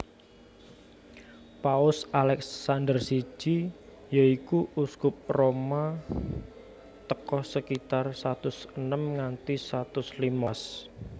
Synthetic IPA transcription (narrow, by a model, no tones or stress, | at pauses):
paʊsalɛksːand̪ərsi̥d͡ʒi | jaikuʔuskʊp̚roma | t̪əkɔhsəkit̪arsat̪ʊsənəmŋant̪isat̪ʊslimas